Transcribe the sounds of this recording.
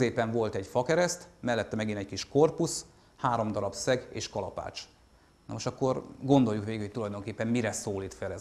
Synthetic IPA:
eːpɛɱvo̞lt̪ɛɟfɒkɛɾɛst̪mɛlːɛt̪ːɛmɛɡinɛckiʃko̞rpus | haːɾo̞md̪ɒɾɒpsɛɡḛːʃkɒlɒpa̰ːt͡ʃ | nomoʃɒkːo̞rɡo̞nd̪o̞ljːukʋeːɡhoc̚ʲt̪ulɒjd̪o̞ŋkeːpːɛmmiɾɛsoːliːt̪fɛlɛz

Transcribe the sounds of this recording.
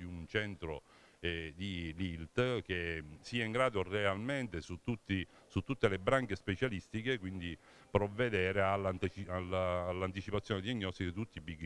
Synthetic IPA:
iunt͡ʃɛnt̪ɾo̰ | ɛd̪ililt̪k̟esiːaiŋɡɾaːd̪orealment̪esut̪ːut̪ːi | sut̪ːut̪ːelebɾaŋkespet͡ʃalist̪ikekwind̪i | pɾovːed̪ɛːɾealːant̪it͡ʃialalːant̪̬it͡ʃipat̪sːjɔːned̪iaɲːɔst̪ikit̪ut̪ːipik

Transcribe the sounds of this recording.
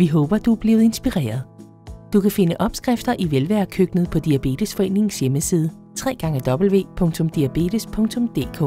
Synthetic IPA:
ʋiɦɔ̽ːb̥ɐd̥uæb̥le̝ːʊð̩ˠe̝nsb̥iʁɛ̰ːɐð̞ˠ | d̥ukʰæfe̝nəʔɒ̽b̥sɡ̥ʁɛfd̥ɐʔiʋelʋæɐ̰kʰøɡ̥nð̞̩ˠpʰɒ̽d̥iæb̥e̝̰ːd̥əsfɒ̽e̝ne̝ŋn̩sjeməsiːð̞ˠə | t͡sʰʁɛ̰ːɡ̥ɑ̈ŋəd̥ɒ̽b̥l̩ʋe̝̰ːpʰɔ̽ŋt͡sʰɔ̽md̥iæb̥e̝̰ːd̥əspʰɔ̽ŋt͡sʰɔ̽md̥e̝̰ːkʰɔ̰ː

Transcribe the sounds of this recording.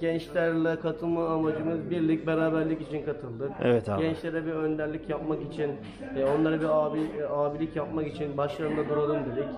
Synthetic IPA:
ɟɛnt͡ʃlʲæɾlʲɛkʰat̪ʰɯlˠmaːmad͡ʒɯmɯzbiɾlʲic̚beɾaːbæɾlʲicit͡ʃʰinkʰat̪ʰɯlˠd̪ɯkḛvɛt̪ʰɟɛnt͡ʃlʲeɾɛbiɾø̞nd̪æɾlʲicjap̚makit͡ʃʰinː | o̞nlˠaɾɯbiaːbiaːbilʲicjap̚makit͡ʃʰinbaʃlˠaɯnd̪ad̪uɾad̪ˠɯmd̪ed̪ic

